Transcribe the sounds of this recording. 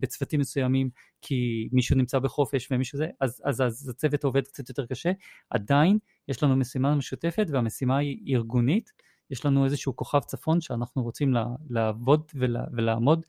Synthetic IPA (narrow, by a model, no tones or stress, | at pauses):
bet͡sv̥atimːesujamim | kʰimiʃunimt͡sabeχo̞fe̞ʃvemiʃuzeʔazazazat͡sevetaove̞dk̚t͡satjo̞t̪e̞ʁkaʃe̞ʔa̰dain | jeʃlanume̞simame̞ʃute̞fe̞tveamesimaiiʁɡunit | jeʃlanuezeʃuuko̞χavt͡safo̞nʃeanaχnuʁot͡simlalaːvo̞dvela̰velaaːmo̞d